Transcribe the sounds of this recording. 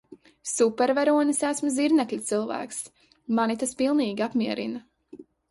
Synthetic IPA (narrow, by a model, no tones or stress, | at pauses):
supɛɾvaɾuɔnisæsmɐziɾnɛklʲit̪sɨlˠvæ̰ːks | manit̪aspilˠniːɡʲiapmiɛɾʔḭnɐ